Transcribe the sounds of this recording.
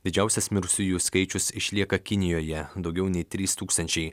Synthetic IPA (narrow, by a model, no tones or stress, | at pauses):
d̪ʲɪd͡ʒʲæˑʊsʲɛsmʲɪɾsʲʊjuːskɐɪt͡ʃʲʊsɪʃʲlʲiɛkɐkʲɪnʲɪjoːjɛd̪ɒʊɡʲɛʊnʲɛɪt̪ʲɾʲiːst̪uːkst̪ɐnʲt͡ʃʲɛɪ